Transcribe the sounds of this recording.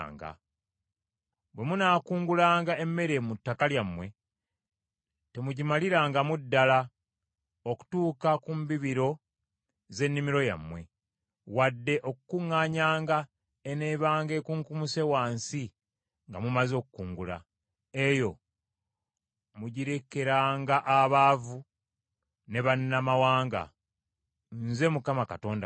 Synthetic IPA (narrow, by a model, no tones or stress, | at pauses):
ŋɡa̰ | bwe̞munaːkuːŋɡulaːŋɡaemːe̞ɾe̞mutːakaljamːwe̞ | te̞muɟimaliɾaːŋɡamudːala | oku̥tuːkakumbiβiɾo̞ | ze̞nːimiɾo̞ja̰mːwe̞ | wadːe̞ʔo̞kukuŋːaːɲaːŋɡa | eneβaːŋɡe̞ːkuŋkumuse̞waːnsi | ŋɡamumazo̞ːkukuːŋɡula̰ | e̞jo̞ | muɟiɾe̞ke̞ɾaːŋɡaʔaβaːvu | ne̞βanːamawaːŋɡa̰ | nze̞mukamakato̞ːnda̰